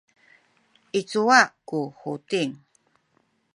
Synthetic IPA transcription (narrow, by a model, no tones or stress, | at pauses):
ʔit͡suwakuhutiŋ